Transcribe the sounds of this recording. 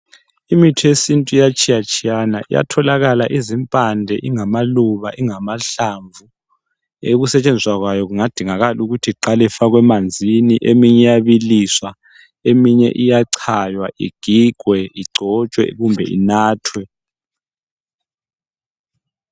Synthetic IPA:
imitʰɔjesintʼujat͡ʃʰʼijat͡ʃʼianaʔḭja̰tʰɔlaɣalaʔizimpʼandʱɛʔiŋamaluβaʔiŋamaɬaɱvʱu | eɣusɛt͡ʃʼɛnd͡ziswaɣwajɔɣuŋad̥ʱiŋaɣaluɣutʰiǃalɛfaɣwɛmand͡zʱiniʔemiɲɛjaβiliswa | emiɲɛ̰ʔijaǀʰajwaʔḭɡ̥ʱiɡ̥ʱwɛiɡ͡ǀʱɔt͡ʃʼwɛ̰ɣumbʱɛ̰ḭnaːtʰwɛ

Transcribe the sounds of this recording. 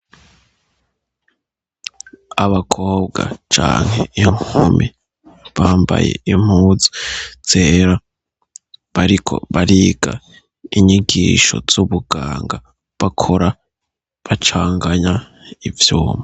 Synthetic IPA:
aβakʰo̞ːb̚ɡat͡ʃa̰ːŋ̥heiŋumi | βaːmba̰jeim̥uːzi̥z̥eɾa | βaɾikʰo̞̰βaɾiɡa | iɲiɡiʃo̞̰z̥uβuɡaːŋɡa | βakʰoɾa | βat͡ʃaːŋɡaɲa | ivjuːma

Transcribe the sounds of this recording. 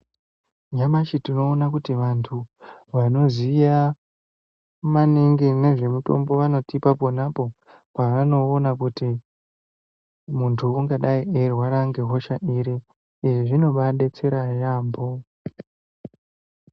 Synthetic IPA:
ɲamaʃitino̞ːnakutiʋantʰuʋano̞zija | maneŋɡine̞ʐe̞muto̞̰mbo̞ʋano̞tipapo̞napo̞ | paʋano̞ːnakuti | muntʰuuŋɡaɗaiʔerwaɾaŋɡeɦo̞ʃaʔiɾe | iʐiʐino̞ɓaɗe̞t͡se̞ɾajaːmbo̞

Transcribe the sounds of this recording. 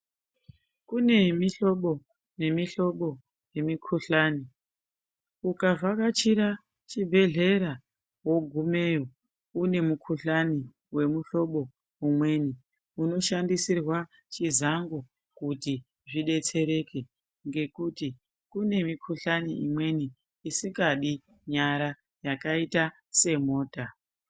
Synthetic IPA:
kune̞miɬo̞ɓo̞ | ne̞miɬo̞ɓo̞ | je̞mikʰuɬaːni | ukavakat͡ʃiɾa | t͡ʃibʱe̞ɮe̞ɾa | wo̞ɡʱume̞ːjo | une̞mukʰuɬani | we̞muɬo̞ɓo̞ | umwe̞ːni | uno̞ʃandisirwa | t͡ʃizaŋɡo | kuti | ʐiɗe̞t͡se̞ɾe̞ke | ŋɡe̞kuti | kune̞mikʰuɬaniimwe̞niː | siŋɡaɗi | ɲaɾa | jakaita | se̞mo̞ːta

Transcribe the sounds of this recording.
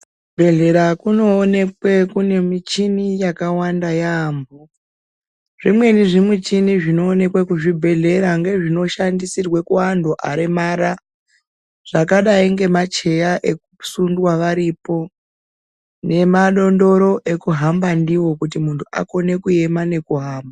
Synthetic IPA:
bʱe̞ɮe̞ɾakuno̞ːne̞kwe̞kune̞mit͡ʃinijakawandajambo | ʐimwe̞niʐimut͡ʃiniʐino̞ːne̞kwekuʐibʱe̞ɮe̞ɾaŋɡe̞ʐino̞ʃandisirwekuandoʔaɾemaɾa | ʐ̥akaɗaiŋɡe̞mat͡ʃe̞jaʔe̞k̚usundwaʋaɾipo̞ | ne̞maɗo̞ndo̞ɾo̞ʔe̞kuɦambandiwo̞kutimuntʰuʔa̰ko̞ne̞kue̞mane̞kuɦaːmba

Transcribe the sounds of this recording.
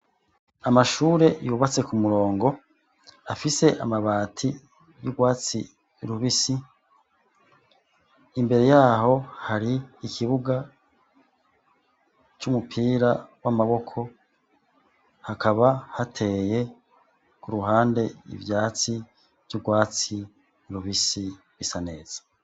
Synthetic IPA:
amaʃuːɾe̞juβat͡se̞kumuɾo̞ːŋɡo̞ | afise̞ʔa̰maβaːtʰi | juɡwaːt͡si | ɾuβisi | imbe̞ɾe̞jaːɦo̞haɾiːkʰiβuɡa | t͡ʃumupʰiːɾawamaβo̞kʰo̞ | hakʰaβahatʰe̞je̞ | kuɾuɦaːnde̞ḭvjaːt͡si | v̥juɡwaːt͡si | ɾuβisi | βisane̞ːz̥ḁ

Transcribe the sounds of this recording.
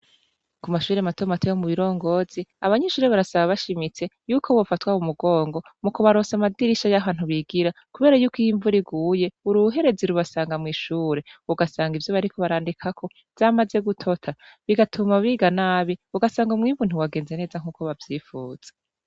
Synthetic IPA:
kumaʃuːɾematomatejomuβiɾo̞ːŋɡo̞ːz̥iaβaɲeʃuːɾeβaɾasaβaβaʃimit͡se̞juːkʰo̞βo̞fatwaumuɡo̞ːŋɡo̞mukoβaɾo̞ːsamadiɾiʃajaβaːn̥huβiɡiɾakuβe̞ːɾajukwijiɱvuɾiɡuːje̞uɾuɦe̞ɾe̞ziɾuβasaːŋɡamŋiːʃuːɾe̞uɡasaːŋɡivjoβaɾikʰo̞βaɾaːndikʰakʰo̞ | v̥amaze̞ɡutʰo̞tʰa | βiɡatʰumaβiːɡanaːβiuɡasaːŋɡumŋiːɱvun̥uwaɡe̞ːnzene̞ːzaŋ̥uːko̞βavjiːfuːz̥e̥

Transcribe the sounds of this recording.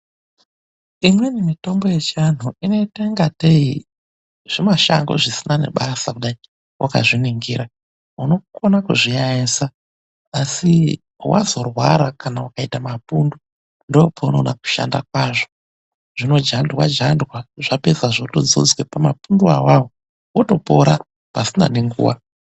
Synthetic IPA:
imwe̞nemito̞mbo̞je̞t͡ʃan̤uine̞teŋɡatei | ʐ̥imaʃa̰ŋɡo̰ʐisinane̞̰ɓasakuɗai | wʔa̰ka̰ʐiniŋɡiɾa | uno̞konakuʐiɲaesa | asi | wa̰zo̞rwaɾakanaukaitamapundu | ndopʰauno̰naku̥ʃa̰ndakwaʐo | ʐ̥ino̞d͡ʒandwa̰d͡ʒandwaʐape̞saʐotod͡zo̰d͡zwepamapunduawawo | woto̞po̞ɾa | pasina̰neŋɡṵːwa

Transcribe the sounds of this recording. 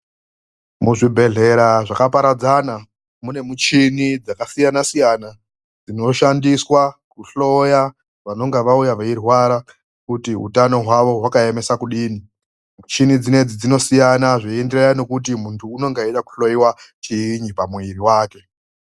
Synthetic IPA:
muʐibʱe̞ɮe̞ɾaʐakapaɾad͡zana | mune̞mut͡ʃinid͡zakasijanasijana | d͡zino̞ʃandiswakuɬo̞ja | ʋano̞ŋɡeʋaujaʋeirwaɾa | kutiɦṵtano̞ɦwaʋo̞ɦwakae̞me̞sakuɗiːni | mut͡ʃinid͡zine̞d͡zid͡zino̞sijanaʐiendirajano̞kut̬imuntʰuːno̞ŋɡeiɗaku̥ɬo̞jiwat͡ʃiiɲipamuiɾiwaːke̞

